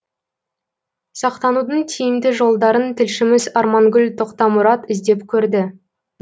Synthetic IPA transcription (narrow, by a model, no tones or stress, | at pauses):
sɑqt̪ɑnud̪əɴt̪ʲʰijɪmd̪ɪʒo̞lˠd̪ɑɾənt̪ʰɪlʃɪmɪzɑɾmɑŋɡʲʏlt̪ʰoqt̪ɑmʊɾɑt̪ɪzd̪e̞pkʲʰɵɾd̪ɪ